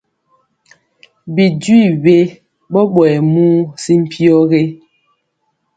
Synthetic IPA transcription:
bi˨dwi˦˨be˦ | ɓɔ˦ɓwɛ˨mu˦si˦m̩˦˨pʰi˦ɔ˦ɣe˦

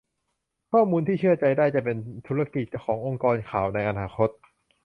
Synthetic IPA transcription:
kʰɔː˥˩muː˧nt̪ʰiː˥˩ɯ˥˩ɐt͡ɕa˧jdaː˥˩jt͡ɕa˨˩pe˧nt̪ʰuː˦˥ɾa˥˧˩ki˨˩t̪̚t͡ɕa˧˩wkʰɔː˩˦ŋʔo˧ŋkɔː˧nkʰaː˨˩wna˧jʔa˧naː˧xʰo˦˥t̪̚

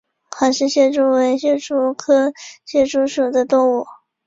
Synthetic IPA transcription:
xa˧˥ʂɻ̩˥˧ɕjɛ˥˩ʈ͡ʂu˥we˧˥ɪɕjɛ˥˧ʈ͡ʂu˥kʰɤ˥ɕjɛ˥˩ʈ͡ʂu˥ʂu˨˩d̪ə˦t̪ʊ˥˧ŋwu˥˩

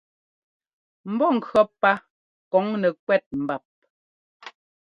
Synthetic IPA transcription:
m̩˨bɔ˦˨ŋ̩˨kɰɔ˦pːa˦ | kɔ˨˦ŋnɛ˨kwɛ˦˨t̚m̩˨ba˨p̚

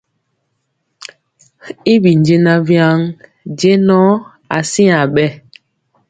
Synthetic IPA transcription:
i˦bi˨n˨d͡ʒe˦na˦vja˦ŋ | d͡ʒe˦nɔ˦ | a˨si˦a˨ɓɛ˦

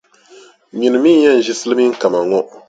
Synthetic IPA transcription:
ɲi˨nɨ˨mi˦ɲɛ˦n̩˨ʒi˦sɨ˦lɨ˦mi˦ŋ̩˦ka˨ma˨ŋɔ˦

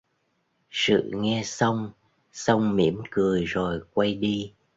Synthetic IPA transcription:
sɨ̰˧˨ŋɛ˧sə˧wŋ͡m | sə˧wŋ͡mmi˧˥əmkɨ˨˩əjzo˨˩jkwa˧jɗi˧

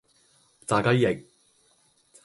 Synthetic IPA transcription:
t͡saː˨kɐ˥jɪ˨k̚ | t͡s

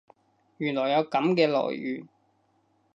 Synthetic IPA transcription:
jyː˨˩nlɔː˨˩jːɐ˨˧wkɐ˨˥mkɛː˧lɔ̰ː˨˩jy̰ː˨˩n

